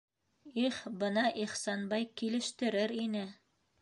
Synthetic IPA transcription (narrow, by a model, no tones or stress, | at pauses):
iχbɤnɑʔiχsɑnbɑjkilɘ̆ʃt̪ɘ̆ɾɘɾinɘ